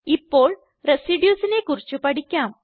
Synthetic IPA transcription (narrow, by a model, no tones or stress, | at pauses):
ipːo̞ːɭ | resiɖjuːsinekurit͡ɕːupɐɽikʲːaːm